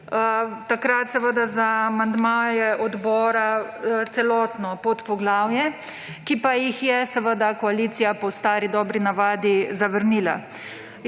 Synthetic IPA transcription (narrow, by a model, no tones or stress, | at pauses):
t̪akɾat̪sɛʋəd̪azaːmand̪maːjɛʔɔd̪bɔːɾat̪sɛlɔt̪nɔpot̪pɔɡlaːwjɛ | kipajixjɛsɛʋəd̪akɔaliːt̪sijapɔst̪aːɾid̪ɔːbɾinaʋaːd̪izaʋəɾniːla̰